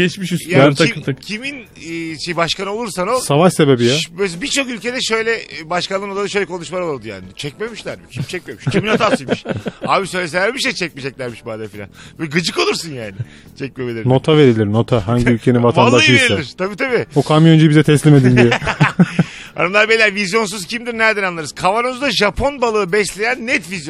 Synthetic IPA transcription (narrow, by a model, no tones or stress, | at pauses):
ɟɛt͡ʃmiʃisjaaicʰiminː | ʃejbaʃkano̞lˠuɾsanosavaʃse̞be̞bijabøbit͡ʃʰo̞kylʲcʰed̪ɛʃøjlʲɛbaʃkanːˠɯnod̪ad̪aʃø̞jlʲɛkʰo̞nuʃmaɾolˠuɾd̪uja̰ːnɪt͡ʃʰɛc̚me̞miʃlʲæɾmicʰimt͡ʃʰɛc̚me̞miʃʰʲiminat̪ʰasɯjmiʃaːbisø̞jlʲes̬eæɾmiʃt̪ɛt͡ʃʰɛc̚med͡ʒɛclʲæɾmiʃbaːd̪afilʲa̰nvɛɡɯd͡ʒɯko̞lˠuɾsunjaːnɪ | t͡ʃʰɛc̚memelʲiɾno̞t̪ʰave̞ɾilʲiɾno̞t̪ʰaɦaɲɟiylʲcʰe̞nivat̪ʰanlaʃˠieɾsiɛiɾ̥t̪ʰabiːt̪ʰabiokʰamjond͡ʒibizɛt̪ʰɛslʲime̞d̪ind̪ijɛ | a̰d̪amlˠaɾbelʲæɾvizjo̞ns̬uz̥cʰimd̪iɾnæɾd̪ænanˠaɾɯz̥kʰavanɯmuzd̪aʒapʰo̞nbalˠɯːbɛslʲejænːɛt̪vizjo